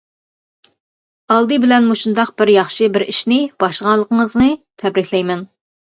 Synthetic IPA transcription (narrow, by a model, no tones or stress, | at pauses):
ɑlˠd̪ɨbɪlɛnmuʃund̪ɑq̚bɪɾjɑχʃɨbɪɾiʃnɪb̥ɑʃlʁɑnlːˠəqəŋəznɨt̪ʰɛbɾɪkʲlɛjmɛn